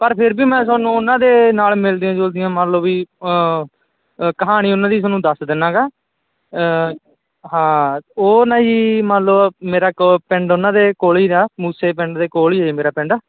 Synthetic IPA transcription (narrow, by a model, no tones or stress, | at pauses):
pəɾpʰɪɾbiːmɛ̃ːsaːnũːʊnãːd̪eːnaːlmɪld̪iãːd͡ʒoːld̪ɪjãːmələbiː | kəɦaːɽ̃iːʊnãːd̪iːs̬oːnũːd̪əsd̪ɪnãːɡaː | ɦãːoːnaːiːmənləmeːɾaːkpɪ̃ɳɖʊnãːd̪eːkoːliːd̪aːmuːseːp̬ɪ̃ɳɖd̪eːkoːliːmeːɾaːpɛɳɖaː